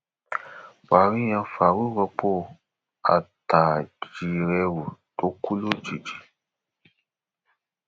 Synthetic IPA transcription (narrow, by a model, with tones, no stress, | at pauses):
wa˨ɾi˦jã˧fa˨wu˦wɔ˧po˦ | a̰˨ta˨d͡ʒi˨ɾɛ˧wu˨to˦ku˦lo˦d͡ʒi˨d͡ʒi˨